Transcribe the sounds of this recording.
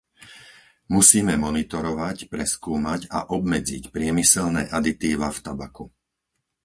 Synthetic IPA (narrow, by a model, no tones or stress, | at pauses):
musiːmɛmɔnit̪ɔɾɔʋacpɾɛskuːmaɟa̰ʔɔbmɛd͡zicpɾɪɛmisɛlnɛːʔad̪it̪iːʋaft̪abaku